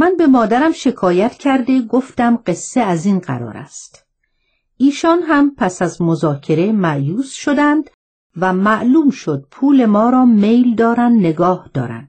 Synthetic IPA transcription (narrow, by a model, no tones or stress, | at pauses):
mænbe̞mɒːd̪æɾæmʃe̞kʰɒːjæt̪ʰcʰæɾd̪e̞ɡoft̪æmɢe̞sːeæziːnɢæ̰ɾɒ̰ːɾæ̰st̪ | ʔiːʃɒːnɦæmpʰæsæzmozɒːcʰe̞ɾe̞mæʔjuːsʃod̪ænd̪ | væmæʔluːmʃo̞d̪̥̚pʰuːle̞mɒːɾɒːme̞jld̪ɒːɾænd̪ne̞ɡɒːhd̪̥ɒ̰ːɾæ̰nd̪̥